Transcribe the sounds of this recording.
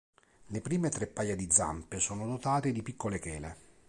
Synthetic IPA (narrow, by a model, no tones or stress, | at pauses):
lepɾiːmet̪ɾepːajːad̪id̪zːa̰mpesoːnod̪ot̪aːt̪ed̪ipikːolekɛːle